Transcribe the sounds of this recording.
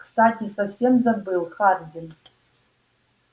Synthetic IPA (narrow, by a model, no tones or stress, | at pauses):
kstatʰisɐfsemzɐmbɨjlˠχardʲɪn